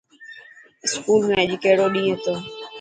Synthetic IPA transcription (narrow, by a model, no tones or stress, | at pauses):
ɪskuːlmẽːəʄkəɦɪɽoːɗĩːɦet̪oː